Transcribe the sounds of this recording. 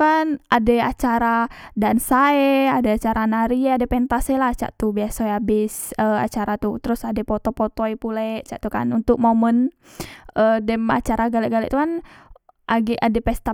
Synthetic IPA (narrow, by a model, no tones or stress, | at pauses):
kanadɛat͡ʃaɾadansaeadɛat͡ʃaɾanaɾiaadɛpɛnt̪asɛlaht͡ʃa̰ʔt̪ubiasojabɪsəa̰t͡ʃaɾat̪ut̪əɾʊsadɛpɔt̪opot̪oɛpulɛʔt͡ʃaʔt̪uka̰nunt̪ʊk̚momən | ədɛma̰t͡ʃaɾaɡalɛʔɡalɛ̰ʔt̪ukan | ʔaɡɛʔadɛpɛst̪a